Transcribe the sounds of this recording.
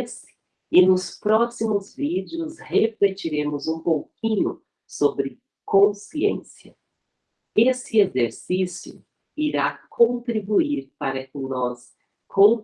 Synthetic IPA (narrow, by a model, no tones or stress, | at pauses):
sɪ̥ | ɪnʊspɾɔsimʊzvid͡ʒiʊsheflet͡ʃiɾẽmʊzũpowkĩɲʊ | sobɾɪ | kõsiḛ̃siɐ | esɪezeɾsisjʊ̰ | iɾakʰõnt̪ɾibuiɾpaɾɐkɪnɔs | kʰõ